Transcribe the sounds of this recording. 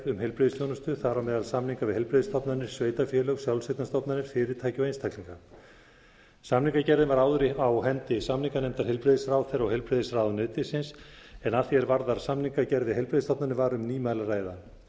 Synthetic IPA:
ɾʏmɦɛlpɾeðɪst̪jɔwnʏst̪ʏθaɾawmɛːðalsamniŋkavɪðhelpɾeðɪst̪ʰɔpnanɪɾ̥sveːjt̪afjɛlœɣsjawlset̪nast̪ɔpnanɪɾ̥fɪɾɪɾ̥t̪ʰaːjcɪawejnst̪ʰakliŋka | samniŋkacɛɾðɪnvaɾaːwðʏɾɪawɦɛnt̪ɪsamniŋkanejmt̪aɾ̥ɦɛlpɾeðɪsraːwθɛɾawhelpɾeðɪsraːwðnœːt̪ɪsɪnsɛnaθjɛɾvaɾðaɾ̥samniŋkacɛɾðɪɦejlpɾeðst̪ɔpnanɪvaɾʏmniːmalaraːjða

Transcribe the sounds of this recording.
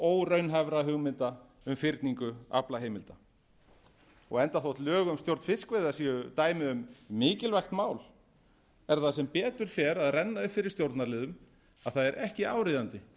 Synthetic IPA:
oːwrœɥnɦavɾaɦʏɣmɪnt̪a | ʏmfɪɾt̪niŋkʏa̰plaɦeːjmɪlt̪a | ɔɣɛnt̪aθowht̪lœːɣʏmst̪jowɾt̪n̥fɪskvejðasiːʏt̪aːjmɪʏmːɪːcɪlvajxt̪maːwl | ɛɾθaðsɛmpɛːt̪ʏɾ̥fjɛɾaðrɛnːaʏfɪɾɪ̥ɾst̪jowɾt̪naɾlɪːðʏm | aðθaðɛɾʔɛhcɪaːwɾɪðant̪ɪ

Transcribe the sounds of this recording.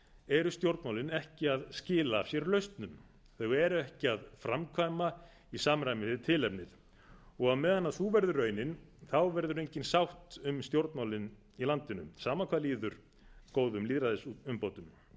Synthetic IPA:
ɛɾʏst̪jowɾt̪nmawlɪnɛhcɪaðscɪːlasjɛɾlœɥst̪nʏm | θœɣɛɾʏɛhcɪaðfɾamkʰvaːjma | isaːmɾajmɪst̪ʰɪlɛpnɪð | ɔɣaðmɛːðanːaθuːvɛɾðʏrœɥnɪnθawvɛɾðʏɾejɲcɪnsawht̪ʏmst̪jowɾt̪nmawlɪn | ilant̪ɪnʏ̰msaːmakʰvaːliːðʏɾ̥ | koːwðʏmliːðɾaðɪsuʏmpoːwt̪ʏm

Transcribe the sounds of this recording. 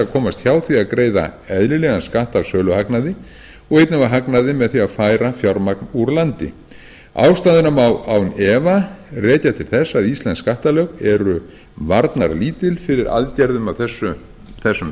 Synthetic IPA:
akʰɔːmast̪çaːwθviaðkɾeːjða̰ɛðlɪlɛɣanskaht̪avsœːlʏhaknaðɪ | ɔɣejt̪navaɦaknaðɪmɛðθiaðfaːjɾafjɔɾmaknuɾlant̪ɪ̰ | a̰wst̪aːðʏnamawawnɛːvarɛːcat̪ʰɪlθɛsːaðist̪lɛnskaht̪alœkɛɾʏ | vaɾt̪na̰ɾliːt̪ɪlfɪɾɪɾa̰lcɛɾðʏmavθɛsːʏ | θɛsːʏm

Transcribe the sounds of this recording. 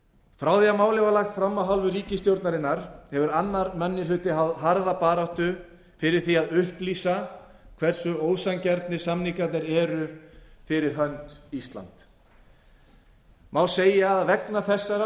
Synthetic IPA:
fɾawðjamaːwlɛvalaxt̪fɾamːawɦalvʏɾiːcɪst̪jowɾt̪naɾɪnːaɾ̥hɛvʏɾanːaɾmɛnːɪlʏt̪ɪɦawðɦaɾðapaːɾaht̪ʏ | fɪɾɪɾ̥θiaðʏhpliːsa | kʰvɛɾ̥sʏoːwsaŋcɛɾt̪nɪ̥samniŋkat̪nɪɾɛɾʏfɪɾɪɾ̥ɦœnt̪ist̪la̰nt̪ | mawseːjaːðvɛknaθɛsːaɾa

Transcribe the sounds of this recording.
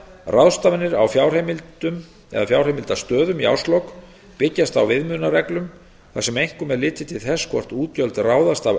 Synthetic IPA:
raðst̪avɪnːɪɾawfjawr̥hejmɪlt̪ʏm | ɛ̰ðafjawr̥hejmɪlt̪ast̪œːðʏmia̰wst̪lowk | pɪcːast̪awvɪðmʏnarɛklʏm | θasɛmejŋ̥kʏmːɛðlɪːt̪ɪt̪ʰɪlθɛskʰvɔr̥t̪uːt̪œlt̪raːwðast̪av

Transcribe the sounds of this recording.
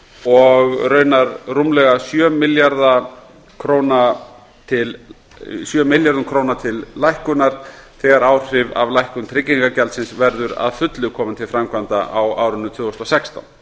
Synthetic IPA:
ɔɣrœːɥnaɾrumlɛɣasjœːmɪljaɾða | kʰɾoːwna | t̪ʰɪl | sjœːmɪljaɾðʏmkʰɾoːwnat̪ʰɪlːajhkʏnaɾ̥θɛɣaɾaːwr̥r̥ɪva̰vlajhkʏnt̪ʰɾɪcːiŋkacɛlt̪sɪnsvɛɾðʏɾa̰ðfʏt̪lʏkʰɔːmant̪ʰɪlfɾamkʰvant̪aʔawaːwɾʏnːʏt̪ʰvʏːɔst̪ɔsɛkst̪a̰wn

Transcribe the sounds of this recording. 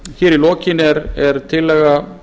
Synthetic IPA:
çɛːɾilɔːcɪnɛɾɛɾt̪ʰɪlːɛːɣa

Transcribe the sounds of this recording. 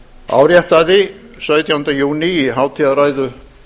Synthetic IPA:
a̰ːwɾjɛht̪aðɪ | sœɥt̪jawnt̪ajuːniɦaːwt̪ʰɪaðraːjðʏ

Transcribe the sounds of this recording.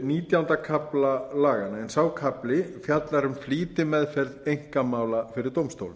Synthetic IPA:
niːt̪jawʏnt̪akʰaplalaːɣanaɛnsaːwkʰaplɪfjat̪laɾʏmfliːt̪ɪmɛðfɛɾðejŋ̥kamaːwlafɪɾɪɾt̪owmst̪o̰wl

